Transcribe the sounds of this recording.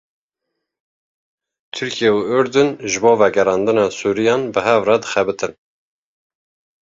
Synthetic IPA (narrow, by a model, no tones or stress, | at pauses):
t̪ʰɨɾkʰijeuʊɾd̪ɨnʒɨboːvɛɡɛɾɑːnd̪ɨnɑːsuːɾijɑːnbɨɦɛvrɑːd̪ɨxɛbɨt̪ɨn